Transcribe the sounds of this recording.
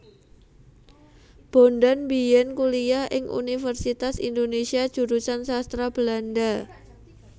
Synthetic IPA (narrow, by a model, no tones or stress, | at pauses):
b̥ondanbijɛnkuliaʔɪŋʔṵnifərsit̪asḭndonesiḁd͡ʒ̥uɾusansast̪ɾab̥əlanda